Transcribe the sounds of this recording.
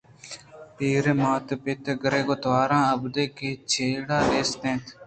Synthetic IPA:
piːɾmaːt̪pɪt̪ɡəɾeːɡoːt̪ʋaːɾãːəbd̪eːkeːt͡ʃʰeːɽaːleːst̪ẽːt̪ʰ

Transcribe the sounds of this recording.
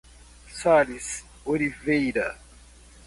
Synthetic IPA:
salis | olivejɾɐ

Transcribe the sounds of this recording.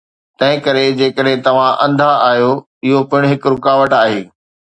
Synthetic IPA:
t̪ɐ̃ɦɪ̃kɐɾed͡ʑeːkəɗɦẽt̪ɐʋ̤ãʔɐ̃nd̪ʱaʔaːɦjo | ɪɦopɐɪɽ̃ɦɪkɾʊkaːʋəʈaːɦeː

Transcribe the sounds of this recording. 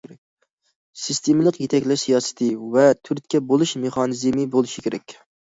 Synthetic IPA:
sɨst̪ʰemɪlˠəqjet̪ʰɛkʲlɪʃsijɑsɨ̥t̪ʰɨvɛt̪ʰyɾt̪̚ʲkʲɛbolˠuʃmeχɑnɨzmɨbolˠɨʃikʲʰeɾɛ̰kʲ

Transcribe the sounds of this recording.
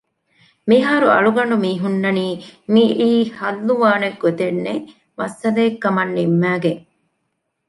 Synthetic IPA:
miɦɐːɾuɐ̰ɭuɡɐɳ̆ɖumiːɦunːɐniːmiʔiːhɐlːuʋaːneɡːot̪enːe | mɐsːɐd̪ɐːkːɐmɐnːimːæːɡeŋ

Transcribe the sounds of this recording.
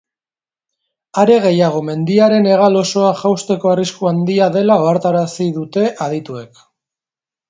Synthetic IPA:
aɾe̞ɣ̞e̞jaɣ̞o̞me̞nd̪iaɾe̞ne̞ɣ̞alo̞so̞aʝawst̪e̞ko̞ariskuand̪iaðe̞lao̞aɾt̪aɾasiðut̪e̞ʔaðit̪ue̞k

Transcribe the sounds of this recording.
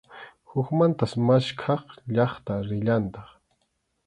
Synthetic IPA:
hʊkmant̪asmaʃkʰɑχʎɑχt̪aɾɪʎant̪ɑχ

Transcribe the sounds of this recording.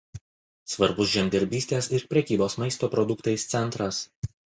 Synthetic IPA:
sʋɐɾbʊsʒʲɛmʲd̪ʲɛɾʲbʲiːsʲt̪ʲeːsɪɾpʲɾʲɛkʲiːboːsmɐɪst̪oːpɾɔd̪ʊkt̪ɐɪst̪sʲɛnˑt̪ɾɐs

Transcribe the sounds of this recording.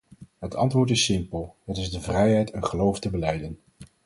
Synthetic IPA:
ɦətʰɑ̰ntʋʊːɹtɪsɪmpəlˠɦətɪzdəvrɛjɦɛjtənχəlowftəbəlɛjdən

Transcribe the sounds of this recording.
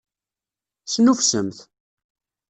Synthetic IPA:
snufsəmθ

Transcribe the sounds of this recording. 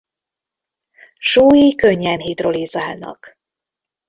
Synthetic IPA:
ʃuːjikøɲːɛnɦit̪rolizaːlnɒ̰k

